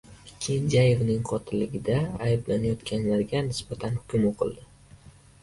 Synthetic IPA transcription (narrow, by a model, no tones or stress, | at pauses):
kʲʰe̞nd͡ʒaje̞vnɪŋqʰɒt̪ʰɪlːɪɡʲɪd̪aːjblanajɒt̪kʲʰanlaɾɡʲanɪsbat̪ʰanhʊ̥kʰʲʊmoqʰɨ̰lˠd̪ɪ